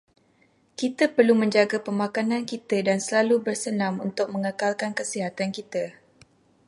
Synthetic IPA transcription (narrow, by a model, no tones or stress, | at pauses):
kit̪əpərlumə̃ɲd͡ʒaɡapəmakanãnkit̪ədansəlalubərsənãmunt̪ʊk̚mə̃ŋəkalkankəsiɦat̪ankit̪ə